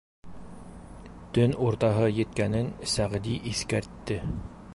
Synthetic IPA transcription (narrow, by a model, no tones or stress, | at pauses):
t̪ɵnuɾt̪ɑɦɤjɘ̆t̪kænɘnsæʁd̪iʔiθkæɾt̪ːɘ